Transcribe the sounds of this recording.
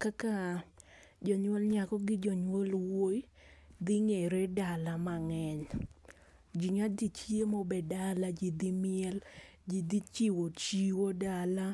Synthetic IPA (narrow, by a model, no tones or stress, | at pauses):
kaka | d͡ʒɔɲwɔlɲakɔɡɪd͡ʒɔɲwolwoj | d̪ɪŋeɾedalamaŋɛɲ | d͡ʒiɲadit͡ʃiemobɛdalad͡ʒid̪imɪɛld͡ʒid̪it͡ʃiwot͡ʃiwodala